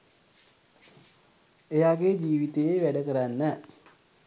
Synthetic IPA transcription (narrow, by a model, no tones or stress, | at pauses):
ejaɡed͡ʒiːʋit̪ejeʋæɖəkəɾanːə